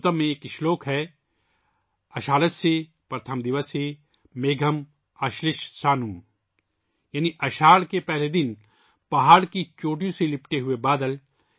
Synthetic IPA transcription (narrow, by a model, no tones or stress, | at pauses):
t̪əmːẽeːkɪʃloːkɦɛː | ɐʃaːləse | pɾət̪ʰəmd̪ɪʋəse | meːɡʱəm | ɐʃlɪʃsaːnũː | jaːniʔɐʃaːɽkepɛɦled̪ɪn | pɐɦaːɽkit͡ʃoːʈijõselɪpʈeɦʊebaːd̪əl